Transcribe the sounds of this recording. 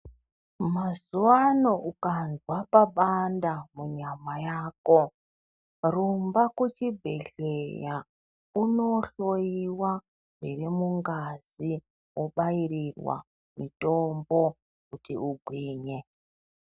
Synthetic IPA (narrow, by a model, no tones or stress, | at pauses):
mazuwanoʔukanzwapaɓandamuɲamajaːko̞ | rumbakwut͡ʃibʱe̞ɬeja | uno̞ɬojiwa | miremuŋɡazi | wʔoɓaiɾirwa̰ | mito̞mbo̞ | kutiuɡʱwiːɲe